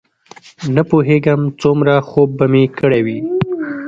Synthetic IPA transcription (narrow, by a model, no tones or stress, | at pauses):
napoɦeɡəmt͡sumɾaxob̚ːamekəɽewi